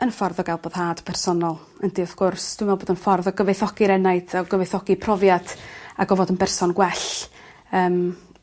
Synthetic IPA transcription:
ənfɔrðɔɡajlˠboːð̥haːd̥pʰɛrsɔnɔlˠ | əndiɔðɡ̥ʊrsd̥wɪmɛlˠboːdənfɔrðɔɡəvejθɔɡ̥iɾɛnaɨdaɡəvɨjθɔɡipʰrɔvjad̥aɡɔvɔdənbɛrsɔnɡwɛɬ | əːm

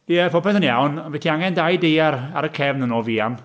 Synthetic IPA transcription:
iɛpʰɔpʰɛθənjawnvɛtʰiaŋɛndajdejaɾa̰ɾəkʰɛvnənɔːviːam

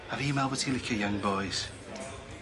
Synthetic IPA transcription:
əvimalˠbətʰilɪkʰəjãŋbɔjz̥

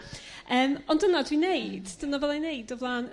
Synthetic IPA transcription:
əːmɔndənadwinejd̥d̥ənavɛlˠajnejdɔvlˠaːn

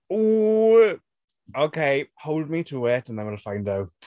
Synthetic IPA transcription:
uː | okʰeɪhoʊlˠd̚mitʰuwɛtə̃nðə̃nwəɾəfãɪ̃ndaw

